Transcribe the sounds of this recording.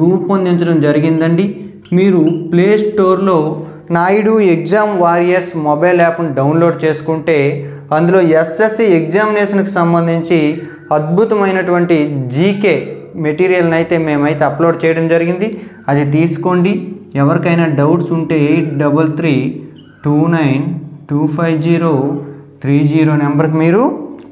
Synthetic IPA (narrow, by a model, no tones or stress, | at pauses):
ɾuːpond̪iɲt͡ʃɐɽɐmd͡ʒɐɾiɡind̪ɐɳɖi | miːɾupleːsʈo̞ːɾlo̞ː | naːjɽueɡzaːmʋaːɾiesmɔbɐjlaːpɐnɖɐwnlo̞ːɖ̚t͡ʃe̞ːsu̥kuɳʈe̞ː | ɐnd̪ulo̞ːesesieɡd͡ʒaːmineːʃɐnɐki̥sɐmbɐnd̪ʱiɲt͡ʃi | ɐd̪̚bʱut̪ɐmɐjnɐʈuʋɐɳʈid͡ʒiːke̞ːmeʈiːɾijɐlɐnɐjit̪e̞ːme̞ːmɐjit̪eɐploːɖ̚t͡ʃɛːjɐɽɐmd͡ʒɐɾiɡind̪i | ɐd̪it̪̬iːsu̥ko̞ɳɖiɛʋɐɾikɐjnaːɖɐwʈsuɳʈe̞ːejʈ̚ɖɐbɐlt̪ʰɾiː | ʈuːnɐjnʈuːpʰɐjʋd͡ʒiːɾoː | t̪ʰɾiːd͡ʒiːɾoːnɛmbɐɾk̬imiːɾu